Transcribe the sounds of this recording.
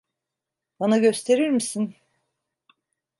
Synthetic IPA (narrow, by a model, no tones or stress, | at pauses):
banaɟø̞st̪ʰe̞ɾiɾmisin